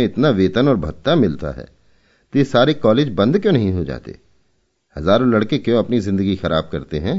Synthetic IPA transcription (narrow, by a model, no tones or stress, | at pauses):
ẽɪt̪naʋeːt̪ənɔːɾbʱɐt̪ːamɪlt̪a̰ɦɛ̰ː | t̪isaːɾekɔːleːd͡ʒbɐ̃nd̪kjõːnɐɦĩɦod͡ʒa̰ːt̪ḛ | hɐzaːɾõlɐɽkekjõɐpnizɪ̃nd̪əɡixɐɾaːb̚kɐɾt̪eɦɛ̃ː